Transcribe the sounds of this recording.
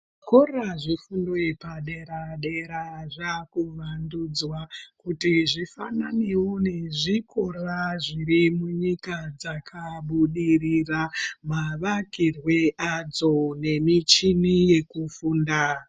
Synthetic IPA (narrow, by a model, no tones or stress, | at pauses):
ko̞raʐifundo̞ipaɗe̞ɾaɗe̞ɾaʐakuʋandud͡zwakutiʐifananiwoneʐikʰo̞raʐiɾimuɲikad͡zakʰaɓuɗiriramaʋakirwe̞ʔad͡zo̞ne̞mit͡ʃinije̞kufuːnda